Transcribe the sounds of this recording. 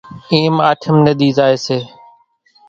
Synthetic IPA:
eːmaːʈʰəmnəd̪iːzaːeːseː

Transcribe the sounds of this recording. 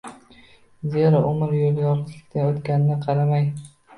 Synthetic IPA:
zeɾaʔʊmɪɾjoljɒɾt̪ʰɪkʲt̪ʰaot̪kʲanɪnɪqʰɑɾamaj

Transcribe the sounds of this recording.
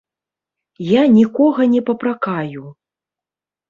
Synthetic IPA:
janʲikɔɣɐnʲɛpɐpɾakaju

